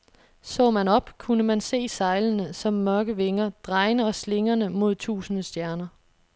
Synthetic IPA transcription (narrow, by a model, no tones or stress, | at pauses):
sɔ̰̽ːmænɒ̽b̥kʰunəmænse̝̰ːsɑ̈ɪlənəsɒ̽mːɶɐɡ̥əʋe̝ŋɐd̥ʁɑ̈ɪnəɒ̽sle̝ŋɐnəmo̝ð̞ˠt͡sʰṵːsənəsd̥jæɐnɐ